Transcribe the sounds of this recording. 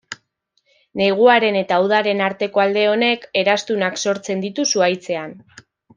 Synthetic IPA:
ne̞ɣ̞uaɾe̞ne̞t̪auð̞aɾe̞naɾt̪e̞ko̞ald̪e̞o̞ne̞ke̞ɾast̪unakso̞ɾt͡se̞nd̪it̪usuajt͡se̞an

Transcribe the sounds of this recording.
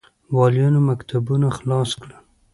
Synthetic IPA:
wɑljɑnomakt̪ʰabunaxlɑskɽə

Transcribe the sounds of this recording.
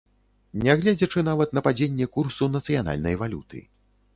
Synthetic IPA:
nʲɛɣlʲɛd͡zʲɐt͡ʂɨnavɐt̪nɐpad͡zʲenʲːɛkursunɐt̪sɨjan̪a̰lʲnɐjvalʲut̪ɨ̰

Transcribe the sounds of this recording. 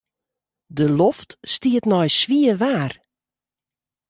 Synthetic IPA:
dəloftstiətnɔjsʋiəʋaːr

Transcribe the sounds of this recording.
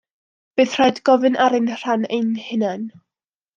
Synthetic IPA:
b̥ɨːðr̥ajdɡɔvɨnʔaɾɪnr̥anejnhɪnan

